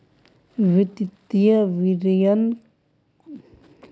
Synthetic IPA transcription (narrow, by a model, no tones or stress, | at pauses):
vit̪id̪iaviɾian